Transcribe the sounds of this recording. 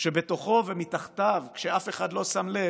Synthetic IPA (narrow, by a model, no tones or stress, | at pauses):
ʃe̞be̞t̪o̞χo̞vemit̪aχt̪avkʃeafe̞χad̪lo̞samle̞